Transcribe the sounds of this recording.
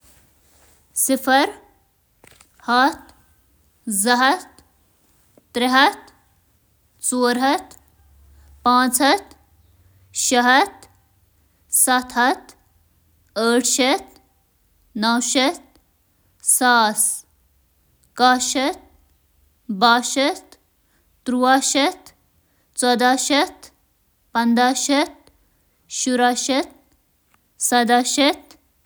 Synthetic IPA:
sɪfʰɐɾ | hɐt̪ | zɐɦɐt̪ | ɾɪɦɐt̪ | t͡soːɾɦɐt̪ | pãːt͡sɐt̪ | ʃɐɦɐt̪ | sɐt̪ʰɦɐt̪ | əːʈʰʃɐt̪ | nɐwʃɐt̪̚ | saːs | kaːʃɐt̪̚ | baːʃɐt̪ | t̪ɾuwaːʃɐt̪ | t͡sɔd̪aːʃɐt̪ | pɐnd̪aːʃɐt̪̚ | ʃuɾaːʃɐt̪̚ | sɐd̪aːʃɐt̪

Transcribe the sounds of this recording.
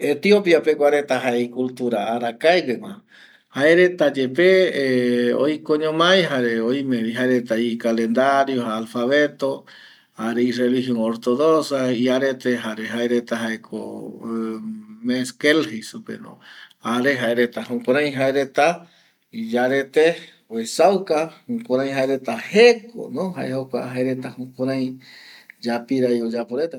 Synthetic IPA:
et̪iopjapekʷaɾet̪aɦaeikult̪uɾaːɾakaeɡemã̰ | haeɾet̪ad͡ʒepe | o̰jkoɲõmãj̃ɦaɾeoj̃mẽβiɦaeɾet̪aikalend̪aɾjohaːlfaβet̪o | aɾeirelihjõŋoɾt̪oðosaiaɾet̪eɦaɾeɦaeɾet̪aɦaekʰo̰ | meskelhesupḛnõ̰aɾeɦaeɾet̪aɦokʷãɾ̃ãj̃ɦaeɾet̪a | id͡ʒaɾet̪e | wesawkahõkãɾãj̃ɦaeɾet̪aheko̰nõɦa̰ehokʷa̰ɦaeɾet̪ahõkʷaɾãj̃ | d͡ʒapiɾajod͡ʒapoɾet̪a

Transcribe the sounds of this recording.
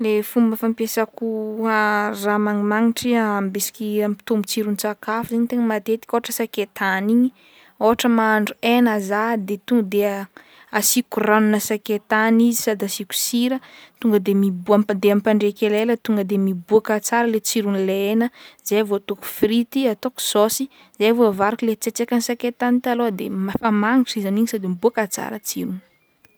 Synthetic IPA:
lefumbəfampesakuaramaŋimaŋiʈ͡ʂiambesi̥kʲiampi̥t̪omut͡siɾunt͡sakafuzaɲt̪eŋəmat̪et̪i̥kʲoaʈ͡ʂəsaket̪aniɲi | oɦaʈ͡ʂəmaaɳɖ͡ʐuenazad̪et̪uŋɡəd̪e | asikuranunəsaket̪anizisad̪asiku̥siɾət̪uŋɡəd̪emibuamad̪eampaɳɖ͡ʐekʲelelət̪uŋɡəd̪emibuakat͡saɾəlet͡siɾunileenəzajvot̪uku̥fɾit̪iat̪oku̥sosi | zejvoavaɾakilet͡set͡sekʲansaket̪anit̪alod̪emafamaŋiʈ͡ʂizaniɲisad̪imibuakat͡sa̰ɾət͡siɾun̥

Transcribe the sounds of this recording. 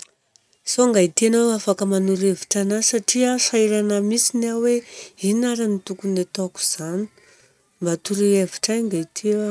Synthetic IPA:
soŋɡait̪ianawafakəmanuɾeviʈ͡ʂanasaʈ͡ʂiəsaiɾanamisinaweinaɾanit̪ukunet̪ɔku̥z̥ani̥ | mbat̪uɾieviʈ͡ʂajŋɡait̪ʰia

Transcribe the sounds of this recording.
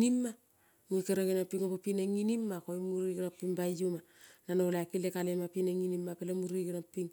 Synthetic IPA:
nimːa | mukeɾaɡenapːiŋopapinaŋinimːakoimuɾiɡɾapːiŋbajuma | nanoleakilekalemapinaŋinimːapelamuɾiɡeɾapːiŋ

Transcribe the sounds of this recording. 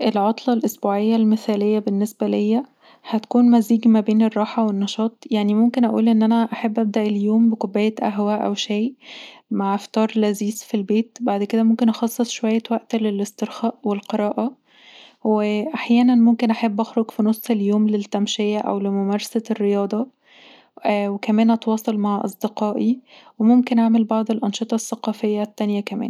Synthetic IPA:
ʔelʕɑt̪ˤlɑlʔosbuːʕejːælmeθæːlejːæbenːesbælejːæ | hæt̪æ̥kuːnmæziːɡmæbeːnerˤːɑːħɑwenːɑʃɑːt̪ˤjaʕnimomkenʔæʔṵːlʔenːʔænæʔaħabːʔæb̚d̪æʔeljoːmbekobːæjæt̪ʔæ̰ɦwæʔʔæ̰wʃæjmaʕeft̪ɑːɾˤlæziːzfilbeːt̪baʕd̪ked̪æmomkenʔɑxɑsˤːesˤʃowæjːæwæʔt̪lelest̪eɾxæːʔwelqeɾˤɑːʔɑ | weʔaħjæːnænmomkenʔaħabːʔæxɾoɡfinosˤːeljoːmlet̪ːæmʃejæʔæ̰wlemomæːɾˤɑsærːejɑːd̪ˤɑ | wekæmæːnʔɑt̪wɑːsˤɑlmaʕʔɑ̰sˤd̪eqɑːʔiwemomkenʔaʕmelbɑʕd̪ˤelʔɑnʃet̪ˤɑsːæqɑːfejːæt̪ːænjækæmæ̰ːn

